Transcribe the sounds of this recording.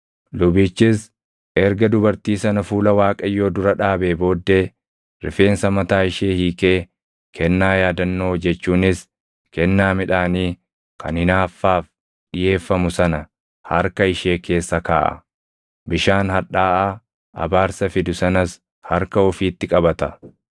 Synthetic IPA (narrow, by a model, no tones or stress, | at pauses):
lʊbiːt͡ʃːɪs | ɛɾɡɐd̪ʊbɐɾt̪iːsɐnɐfuːlɐwaːkʼɐjːo̞ːd̪ʊɾɐᶑaːbeːbo̞ːd̪ːe̞ː | ɾɪ̰fe̞ːnsɐmɐt̪aːɪʃeːhiːkʼe̞ː | kʰɛnːaːjaːd̪ɐnːoːd͡ʒɛt͡ʃːuːnɪs | kɛnːaːmɪᶑaːniː | kʰɐ̰nɪnaːfːaːf | ᶑɪje̞ːfːɐmʊsɐnɐ | hɐɾkɐɪʃe̞ːkʰe̞ːsːɐkaːʔɐ̰ | bɪʃaːnhɐᶑaːʔaː | ɐ̰baːɾsɐfɪd̪ʊsɐnɐs | hɐɾkɐɔfiːt̪ːɪkʼɐbɐt̪ɐ